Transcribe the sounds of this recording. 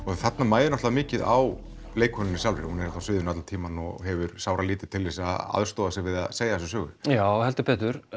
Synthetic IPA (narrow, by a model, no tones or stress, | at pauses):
ɔθat̪namaːjðɪnɔht̪aðamɪːcɪðaw | leːjkʰɔnːɪnːɪsalvɾɪ̰ɾhũnɛɾɛt̪asvɪːðʏnat̪lat̪ʰiːmanɔ̰ɦɛvʏɾsaːwɾaliːt̪ɪ̥t̪ʰɪlːesaa̰ðst̪oːðasɪɣvɪða̰seːjaθɛsʏsœːɣʏ̰jaːwhɛlt̪ɪpɛːt̪ʏɾ̥